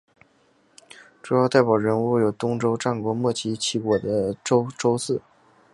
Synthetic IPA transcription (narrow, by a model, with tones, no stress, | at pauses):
ʈ͡ʂu˨˩jɑ˥˧t̪a˥˩ɪpu˨˩ʊɻə˧˥nu˥˩jo˨˩ʊt̪ʊ˥ŋʈ͡ʂo˥ʊʈ͡ʂa˥˩nkwɔ˧˥mwɔ˥˩t͡ɕʰi˧˥t͡ɕʰi˧˥kwɔ˨˩d̪ə˦ʈ͡ʂo˥ʊʈ͡ʂo˥ʊsɹ̩˥˩